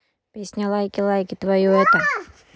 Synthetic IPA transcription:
pʲesʲnʲalˠajkʲɪlˠajkʲɪt̪vɐjuɛt̪ə

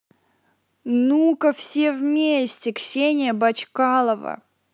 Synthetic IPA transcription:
nukəfsʲevmʲesʲtʲɪksʲenʲɪjəbɐt͡ɕkalˠəvə̰

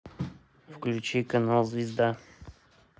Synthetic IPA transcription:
fklʲut͡ʃikənalˠzvʲɪzd̪a

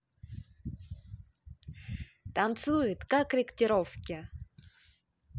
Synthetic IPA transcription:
t̪ant̪sujɪt̪kakɾʲɪktʲɪɾofkʲɪ

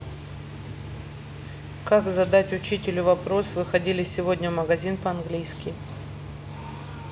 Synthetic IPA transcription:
kakzɐd̪atʲʊt͡ɕitʲɪlʲʊvɐpɾo̞svɨxɐdʲilʲɪsʲɪvo̞dʲnʲəvməɡɐzʲinpəɐnɡlʲijskʲɪ

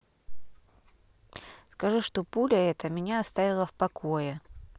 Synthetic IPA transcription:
skɐʐuʂt̪opulʲəɛt̪əmʲɪnʲaɐst̪avʲɪlˠəfpɐkʰojɪ

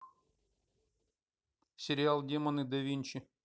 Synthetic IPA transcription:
sʲɪɾʲɪalˠdʲemɐnɨd̪ɐvʲinʲt͡ɕɪ

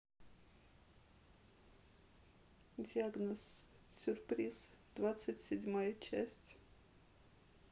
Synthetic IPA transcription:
dʲiaɡnəs | sʲʊrpɾʲiz̥d̪̥vat̪sɨtʲsʲɪdʲmajət͡ɕæsʲtʲ

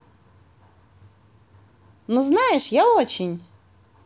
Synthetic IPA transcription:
nuznajɛʂjaot͡ɕʲɪnʲ

